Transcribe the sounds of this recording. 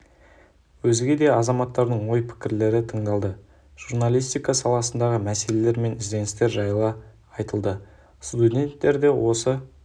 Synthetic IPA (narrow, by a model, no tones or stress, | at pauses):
wɵzɪɡʲe̞d̪e̞ɑzɑmɑt̪ːɑɾd̪əɴwo̞jpʰɪ̥kʲɪɾle̞ɾɪt̪ʰəɴd̪ɑlˠd̪ə | ʒ̥uɾnalʲijst̪ijkɑsɑlˠɑsənd̪ɑʁəmæse̞le̞le̞ɾme̞nɪzd̪e̞nɪst̪e̞ɾʒɑjlˠə | ɑjt̪əlˠd̪ə | st̪ud̪ʲe̞nt̪ːe̞ɾd̪e̞wʔo̞sə